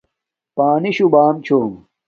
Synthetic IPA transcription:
paːniɕubaːmt͡ɕʰom

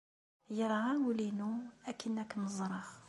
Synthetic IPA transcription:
jəɾˤawlinuækʰinːæknəzˤɾˤɑx

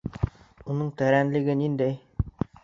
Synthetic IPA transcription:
unɤɴt̪æɾænlɘ̆ɡɘnind̪æj

